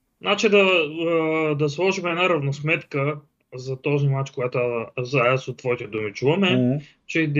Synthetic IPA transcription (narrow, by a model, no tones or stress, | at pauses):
nʔat͡ʃid̪ɐ | d̪ɐslˠɔʒimɛd̪naɾɐvnosmɛt̪kə | zɐt̪ɔzimat͡ʃkojat̪oazaasot̪ːvɔit̪ɛd̪omit͡ʃuvɐmɛ | t͡ʃɛd̪